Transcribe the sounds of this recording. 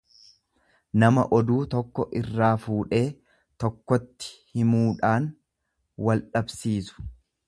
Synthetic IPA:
nɐmɐ̰ʔɔd̪uːt̪ɔkːɔʔɪrːaːfuːᶑe̞ː | t̪ɔkːɔt̪ːɪ̥hɪmuːᶑaːn | wɐlᶑɐbsiːsʊ̥

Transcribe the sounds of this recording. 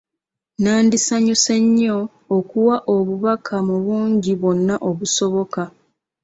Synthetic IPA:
naːndisaɲuse̞ɲːo̞ː | kuwaʔo̞βuβakʰamuβuːɲɟiβo̞nːaʔoβuso̞βo̞ka

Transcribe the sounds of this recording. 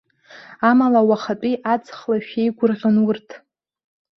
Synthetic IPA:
amalawaχat͡pʷʼiʔat͡sχlaʃᶣejɡʷʊrʁʲʊnwʊrtʰ

